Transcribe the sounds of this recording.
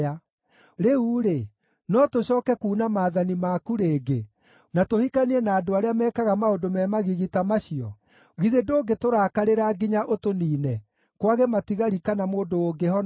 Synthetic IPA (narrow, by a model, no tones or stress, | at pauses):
a | ɾeuɾe | nɔtoɕɔːkɛkuːnamaːðanimaːkuɾeːɡe | natohikaniɛnaːdoaɾeamɛːkaɣamaodomɛːmaɣiɣitamaɕiɔ | ɣiðedoːɡetoɾaːkaɾeɾaɡiɲaʔotoniːnɛ | kwaɣɛmatiɣaɾikanamoːdoːɡehɔn